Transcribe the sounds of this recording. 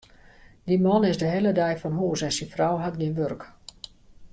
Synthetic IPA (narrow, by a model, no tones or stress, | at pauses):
dimɔnɪzdəɦeːlədɛjfɔnɦuːəsɛnsinfrawɦat̚ɡinʋørk